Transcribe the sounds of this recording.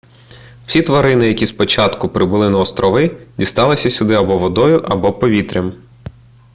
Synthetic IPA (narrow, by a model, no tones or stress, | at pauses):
w̥sʲit̪ʋɐɾɪnɪjɐkʲispɔt͡ʃɑt̪kʊpɾɪbʊlˠɪnɐɔst̪ɾɔʋɪdʲist̪ɑlˠɪsʲɐsʲʊd̪ɪɐbɔʋɔd̪ɔjʊʔɐbɔpɔʋʲit̪ɾʲɐm